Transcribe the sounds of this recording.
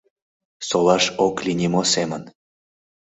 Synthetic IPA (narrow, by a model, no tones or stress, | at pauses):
solɑʃoklinʲimosemən